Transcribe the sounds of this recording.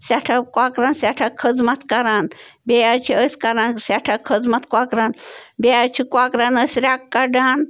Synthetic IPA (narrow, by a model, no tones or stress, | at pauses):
sʲaʈʰakwakɾaːnsʲaʈʰakʰəd͡zmɐt̪ʰkɐɾaːn | bejat͡ʃʰiəsʲkɐɾaːnsʲaʈʰakʰəd͡zmɐt̪ʰkʷakɾaːnbejat͡ʃʰikwakɾaːnəsʲɾʲakːɐɖaːn